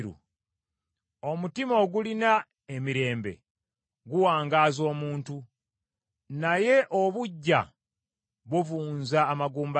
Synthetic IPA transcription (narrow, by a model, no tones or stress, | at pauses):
ɾṵ | omutimo̞ːɡulina | emiɾe̞ːmbe̞̰ | ɡuwaːŋɡaːzo̞ːmuːntu | naje̞ʔo̞βuɟːa̰ | βuvuːnzaːmaɡuːmba